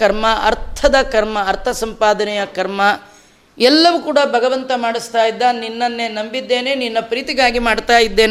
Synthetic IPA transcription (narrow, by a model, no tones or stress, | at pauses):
kɐɾmɐʔɐɾt̪ʰɐd̪ɐkɐɾmɐːɾt̪ʰɐsɐmpaːd̪ɐnɛjɐkɐɾmɐ | ɛlːɐʋukuːɽɐbʱɐɡɐʋɐnt̪ɐmaːɽist̪aːjid̪ːɐninːɐnːe̞nɐmbid̪ːe̞ːne̞ninːɐpɾiːt̪iɡaːɡimaːɖt̪aːjid̪ːeːn